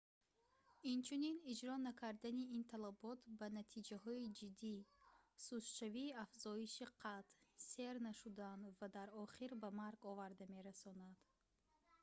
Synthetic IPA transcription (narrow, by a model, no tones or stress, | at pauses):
int͡ʃʰuninid͡ʒɾɔnakʰaɾd̪aniint̪ʰalabɔt̪ʰbanat̪ʰid͡ʒaɦɔid͡ʒid̪ːisusʃaviːafzɔiʃiqʰat̪se̞ɾnaʃud̪and̪vad̪aɾɔχiɾbamaɾɡɔvaɾd̪ame̞ɾasɔnad̪̥